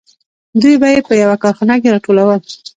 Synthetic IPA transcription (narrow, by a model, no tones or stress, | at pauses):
d̪ujbajepəjawakɑɾxɑnak̬eɾɑʈolawəl